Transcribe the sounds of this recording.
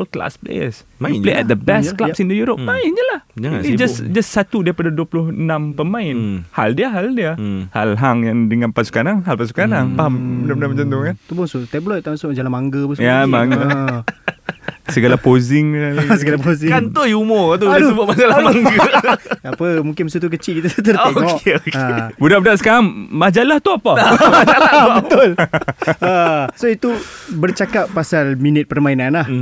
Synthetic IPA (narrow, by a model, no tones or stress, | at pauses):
əlkla̰splḛjə̰s | upleʔɛ̰t̪̚d̪əbɛsklasĩnt̪ujuɾop̚maɪnd͡ʒəlahd͡ʒid͡ʒasd͡ʒassat̪udaipadaduəpulʊhənãmpəmãɪnhaldiəɦaldiəha̰lɦaŋjaŋdəŋãnpasu̥kanaŋɦalpasu̥kanaŋpaɦamənamnamət͡ʃãnt̪ʊŋant̪upunsut̪ɛblɔtt̪asud͡ʒalamaŋɡəpusjamaŋɡə | səɡalapozɪŋalsəɡalapozɪant̪oiumɔt̪̬uubəʔmad͡ʒalamaŋɡəapəmũŋkɪnms̬ut̪̬uk̬ət͡ʃiʔkit̪ət̪ərt̪ŋɔʔeokabudaʔbudaʔsə̥kaɾaŋmad͡ʒalaht̪uapa | bət̪ʊl | əsoit̪ubərt͡ʃakapːasalminɪt̪̚pərmainanlah